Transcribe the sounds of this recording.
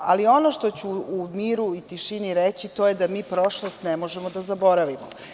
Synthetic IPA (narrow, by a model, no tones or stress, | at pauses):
a̰lio̞no̞ʃt̪o̞t͡ɕuːmiːɾuit̪iʃiniɾet͡ɕit̪o̞ːjed̪amiːpɾo̞ʃlˠost̪nemo̞ʒemod̪azabo̞ɾaʋimo